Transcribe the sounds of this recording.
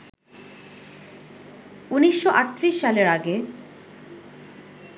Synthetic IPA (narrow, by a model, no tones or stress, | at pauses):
uniʃːoʔat̪ːɾiʃːaleɾaɡe